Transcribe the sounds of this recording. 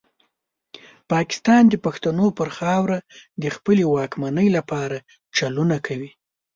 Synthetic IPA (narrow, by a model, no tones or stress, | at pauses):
pɑkɪ̥st̪ɑnd̪əpaxt̪anopəɾxɑwɾad̪əxpəlewɑkmanəjlapɑɾa | t͡ʃalunakʰawi